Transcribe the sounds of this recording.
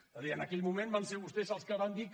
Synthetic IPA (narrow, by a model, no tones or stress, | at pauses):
zəðiənəkɛʎmumẽmbanseɾβust̪ezəlˠskəβand̪ik